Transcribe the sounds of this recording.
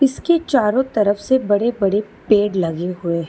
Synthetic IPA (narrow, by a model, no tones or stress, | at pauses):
ɪsket͡ʃaːɾõt̪ɐɾəfsebɐɽebɐɽe | peːɽlɐɡeɦʊe